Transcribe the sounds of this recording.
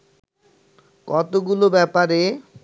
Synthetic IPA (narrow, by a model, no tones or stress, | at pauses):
kɔt̪oɡulobɛpaɾe